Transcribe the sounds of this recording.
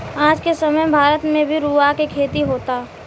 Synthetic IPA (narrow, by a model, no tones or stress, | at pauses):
aːd͡ʒkesɐməjbʱaːɾət̪mẽbʱiɾuːakekʰeːt̪iɦoːt̪aː